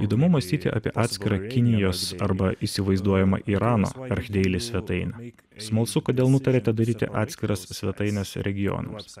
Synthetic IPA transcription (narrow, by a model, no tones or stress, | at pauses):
iːd̪oːmʊmɐsʲt̪ʲiːt̪ʲɪ̰ʔɑ̰ːpʲiɛʔɑːt̪ʲsʲkʲɪɾɑkʲɪnʲɪjoːsɐɾbɐʔiːsʲɪʋɐɪzd̪uɔjɛmɐ̰ʔiːɾɑːno̰ːɐɾʲxʲd̪ʲɛɪlʲɪsʲʋʲɛt̪ɐɪnʲɛ | smɐlˠsʊkoːd̪ʲeːlˠnʊt̪ɐɾʲeːt̪ʲɛd̪ɐɾʲiːt̪ʲɪ̰ʔɑ̰ːt̪ʲsʲkʲɪɾɐssʲʋʲɛt̪ɐɪnʲɛsɾʲʔɛɡʲɪjɔ̰nɐ̰ms